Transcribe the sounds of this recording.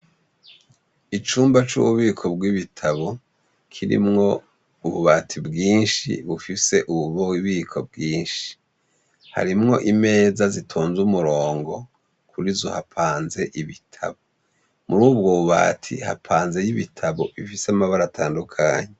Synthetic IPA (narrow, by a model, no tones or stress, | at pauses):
it͡ʃuːmbat͡ʃṵβuβiːkʰo̞bɡwiβitʰaβo̞ | kʰiɾḭmŋo̞ | uβuβatʰibɡiːnʃḭβufise̞ʔuβuβowiβiːkʰo̞b̚ɡiːnʃi̥ | ha̰ɾimŋo̞ʔime̞ːzazitʰoːnzumuɾo̞ːŋɡo̞ | kʰuɾizohapʰaːnze̞ʔiβitʰa̰βo | muɾuːbɡoβuβa̰tʰḭha̰pʰaːnze̞jiβitʰaβo̞βifisamaβaɾatʰaːndukʰaːɲe